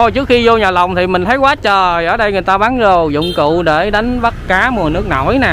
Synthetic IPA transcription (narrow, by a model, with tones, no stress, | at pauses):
o˧˩jt͡ɕɨ˦˥ək̚xi˧zo˧ɲaː˨˩la˨˩wŋ͡mt̪ʰi˨˩mï̟˨˩t̪ʰə˨˦jkwaː˨˦t͡ɕəː˨˩ʔəː˧˩ɗə˧jŋɨ˨˩əjt̪aː˧ɓaː˨˦nzo˨˩jzʊ̰˧˨ŋ͡mkṵ˧˨ɗe˧˩ɗa˨˦jŋ̟və˦˥t̚kaː˨˦mu˨˩ənɨ˦˥ək̚nɔ̰˧˩jnɛː˨˩